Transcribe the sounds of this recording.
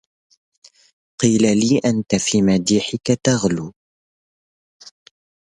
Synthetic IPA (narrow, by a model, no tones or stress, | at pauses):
qiːlaliːʔant̪afiːmad̪iːħɪkat̪aɣluː